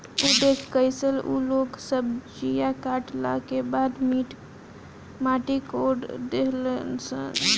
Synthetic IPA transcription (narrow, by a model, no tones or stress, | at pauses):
uɖ̪eskəɪsəlṵloːɡsəbd͡ʒijakaːʈla̰kebaːd̪miːʈ | maʈikoɖd̪eɦlnsə̰n